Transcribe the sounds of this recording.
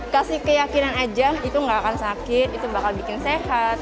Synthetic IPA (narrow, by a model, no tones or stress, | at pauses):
kasikəjakinanad͡ʒait̪uŋɡaːkansakɪt̪̚it̪ubakalbikɪnseɦat̪̚